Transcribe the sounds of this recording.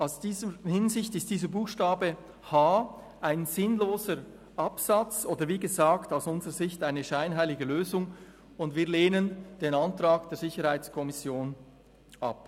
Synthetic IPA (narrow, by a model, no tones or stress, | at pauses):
aʊsd̥iːzəhɪnzɪçtɪst̚d̥iːzəbuːxʃtaːbə | haː | ʔaɪnzɪnloːzəɾ | ʔɑpsat͡sʔoːdəɾviːɡəzaːktaʊsʊnzəʁəzɪçtaɪnəʃaɪnɦaɪlɪɡəløːzʊŋ | ʊndviːleːnənd̥eːnantraːɡd̥eːɹzɪçəɾhaɪt͡skʰɔmɪsjoːn | ʔa̰p